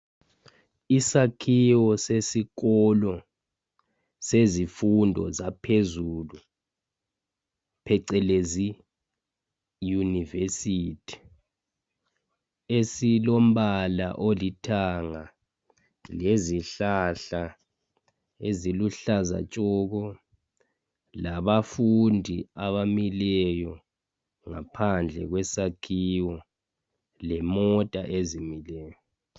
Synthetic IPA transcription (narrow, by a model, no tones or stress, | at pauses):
isakʰiwɔsesik̬ɔlɔ | sezifundʱɔ̰zapʰezulu | pʰɛǀɛlezi | junivesiːtʰi̥ | esilom̩ɓala̰ʔolitʰaŋa | leziɬaɬa | eziluɬaza̰t͡ʃʼɔɣɔ | laβafundʱiaβamilɛjɔ | ŋapʰand͡ɮʱɛ̰ɣwɛsakʰiwɔ | lɛmɔtʼaʔezimilɛːjɔ